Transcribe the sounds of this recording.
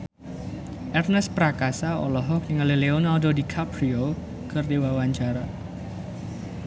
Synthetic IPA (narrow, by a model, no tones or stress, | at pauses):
ʔɛrnɛspɾakasaɔ̰lɔɦɔk̚niŋalileonaldodikʰapɾio | kɨrdewawaɲt͡ʃaɾa